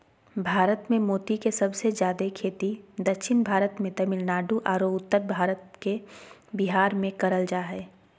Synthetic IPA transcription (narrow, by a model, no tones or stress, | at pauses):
bʱaːɾət̪mẽmoːt̪ikesɐbsed͡ʒjaːd̪ekʰeːt̪id̪ɐkʃʰɪnbʱaːɾət̪mẽt̪ɐmɪlnaːɖuʔaːɾoːʊt̪ːəɾbʱaːɾət̪kebɪɦaːɾmẽkɐɾəld͡ʒaːɦɛː